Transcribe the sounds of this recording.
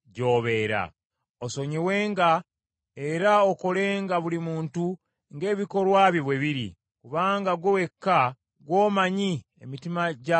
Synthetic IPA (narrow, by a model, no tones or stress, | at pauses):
ɟo̞ːβe̞ɾa̰ | oso̞ɲiwe̞ːŋɡa | e̞ɾaoko̞le̞ːŋɡaβulimuːntu | ŋɡe̞ːβiko̞lwaːβjiβweβiɾḭ | kuβaːŋɡaɡwowe̞kːa | ɡwo̞ːmaɲiḛmitimaɟa